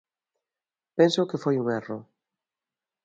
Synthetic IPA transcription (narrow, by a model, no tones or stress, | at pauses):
pensokefojuŋɛro